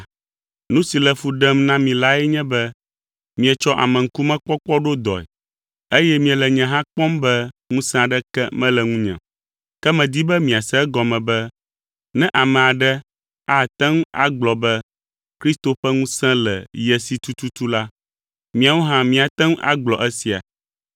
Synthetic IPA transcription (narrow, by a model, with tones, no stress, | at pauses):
nũ˦si˨lɛ˨fu˨ɖɛ˦mnã˦mĩ˨la˦ɛ˦ɲɛ̃˦bɛ˦ | mĩ˨ɛ˨t͡ʃɔ˦ʔa̰˨mɛ̃˨ŋ̩˦ku˦mɛ̃˦k͡pɔ˦k͡pɔ˦ɖo˦d̪ɔ̰˨ɛ̰˨ | e˦jɛ˦mĩ˨ɛ˨lɛ˨ɲɛ̃˨ɦã˦k͡pɔ̃˦mbɛ˦ŋũ˦sɛ̃˦a˨ɖɛ˦kɛ̰˦mɛ̃˦lɛ˨ŋũ˦ɲɛ̰̃˨ | kɛ˦mɛ̃˨d̪i˦bɛ˦mĩ˨a˨sɛ˦ɡɔ˨mɛ̃˨bɛ˦ | nɛ̃˦ʔa˨mɛ̃˨a˨ɖɛ˦ | a˦˨t̪ɛ̃˦ŋ˦a̰˦ɡ͡blɔ˨bɛ˦ | kɾi˦st̪o˨ɸɛ˦ŋũ˦sɛ̃˦lɛ̰˨jɛ˨si˨t̪u˦t̪u˦t̪u˦la˦ | mĩ˨a˨wo˦ɦã˦mĩ˨a˨t̪ɛ̃˦ŋ˦ʔa̰˦ɡ͡blɔ˨ʔɛ˦si˨a̰˨